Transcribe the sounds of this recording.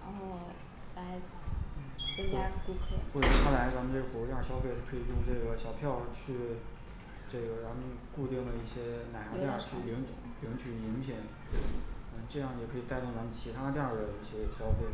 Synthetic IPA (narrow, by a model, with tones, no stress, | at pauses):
ɔ˥˩ | la˧˥ɪ | n̩˥˩ə˥a˥˧ku˥˧kʰɤ˥˩xwɔ˥˩ə˨˩˥t̪ʰa˥˩la˧˥ɪt͡sa˧˥mə˧nʈ͡ʂɤ˥˩ɡə˩xwu˧˩˥ja˥˩ɕjɑ˥ʊfe˥˧ɪʂ̩ʰ˥˩kʰɤ˧˥i˨˩jʊ˥˧ŋʈ͡ʂɤ˥˩ɡə˩ɕjɑ˨˩ʊpʰjɑ˥˧ʊt͡ɕʰy˥˧ | ʈ͡ʂɤ˥˩ɡə˩t͡sa˧˥nmə˧nku˥˧t̪i˥˩ŋlə˩i˥˩ɕjɛ˥na˨˩ɪxɑ˧˥t̪ja˥˩t͡ɕʰy˥˩li˧˥ŋ˧˩li˧˥ŋt͡ɕʰy˨˩i˧˥ŋpʰjɛ˨˩˦ŋ˥ | ə˧ʈ͡ʂɤ˥˧jɑ˥˩ŋjɛ˨˩kʰɤ˧˥i˨˩t̪a˥˧ɪʊ˥˩ŋt͡sa˧˥mə˨nt͡ɕʰi˧˥t̪ʰa˥˧t̪ja˥˩d̪ə˩i˥˩ɕjɛ˥ɕjɑ˥ʊfe˥˩ɪ